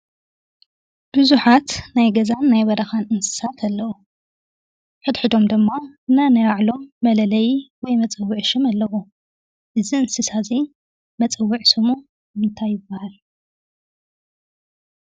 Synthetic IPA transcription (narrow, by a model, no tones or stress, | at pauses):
b̥ɨzuħat̪najɡɐzanːajbɐd̪ɐxanɨnsɨ̥sat̪ʰalːɐwu | ħɨd̪ħɨd̪o̞md̪ɨmːaɨnanɐɾaʕlo̞mːɐlɐlɐjiwɔjmɐt͡sʼɐwːʊʕʃɨmalːɐwu | ʔɨziɨnsɨsazi | mɐt͡sʼɐwːiʕsɨmu | mɨnt̪ʰajːɪbːahal